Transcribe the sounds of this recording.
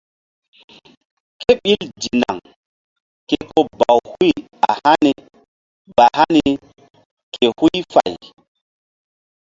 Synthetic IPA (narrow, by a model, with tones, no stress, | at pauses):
ke˦ɓi˦ldi˨na̰˨ŋ | ke˦ko˦ba˨whu˦j | a˨ha˦ni˨ | ba˨ha˦ni˨ | ke˨hu˦jfa˨j